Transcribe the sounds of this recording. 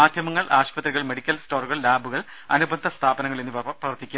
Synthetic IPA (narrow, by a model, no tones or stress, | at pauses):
aːd̪ʱjɐmɐŋːɐɭʔaːɕpɐt̪ɾiɣɐɭme̞ɽikʲːɐlsto̞ːruɣɐɭlaːbuɣɐɭ | ɐnubʱɐnd̪ʱɐst̪ʰaːbɐnɐŋːɐɭenːɨprɐʋɐrt̪ːikʲːum